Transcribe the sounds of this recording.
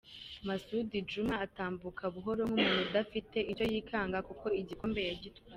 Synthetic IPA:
masudid͡ʒumaːtaːmbukʰaβuɦo̞ɾomumuːnudafite̞ʔico̞jiːkʰaːŋɡakuko̞iɟikoːmbe̞jaɟitwwaː

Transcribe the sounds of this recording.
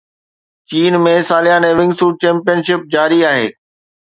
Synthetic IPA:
t͡ɕiːnmẽsaːlɪjaːneːʋɪ̃ŋɡsuːʈ̚t͡ɕɛ̃ːmpijənʃɪp̚d͡ʑaːɾiaːɦḛː

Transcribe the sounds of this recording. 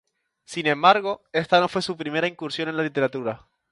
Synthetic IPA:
sinẽ̞mbaɾɣo̞e̞st̪ano̞fwe̞supɾime̞ɾaiŋkuɾsjo̞ne̞nlalit̪e̞ɾat̪uɾa

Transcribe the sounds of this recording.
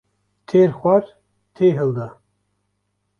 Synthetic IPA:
t̪ʰeɾχʷaɾ | t̪ʰeːɦɨld̪a

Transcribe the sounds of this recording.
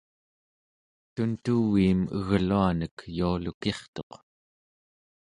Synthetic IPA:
t̪unt̪uwiːmə̰ɣluanəkjualuke̞χt̪o̞q

